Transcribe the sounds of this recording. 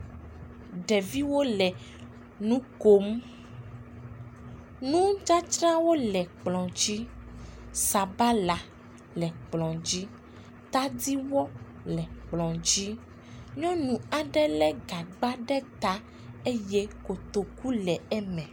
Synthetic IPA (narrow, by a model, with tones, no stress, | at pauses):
ɖɛ˨vi˦wo˦lɛ˨ | nũ˦ko˦m | nũ˦d͡ʒa˦t͡ʃɾã˦wo˦lɛ˨k͡plɔ̃˨d͡ʑi˦ | sa˨ba˦la˨ | lɛ˨k͡plɔ̃˨d͡ʑi˦ | t̪a˦d̪i˦wɔ˦ | lɛ˨k͡plɔ̃˨d͡ʑi˦ | ɲɔ̃˦nũ˨a˨ɖɛ˦lɛ˦ɡa˨ɡ͡ba˦ɖɛ˦t̪a˦ | e˦jɛ˦ko˨t̪o˨ku˦lɛ˨ɛ˦mɛ̃˨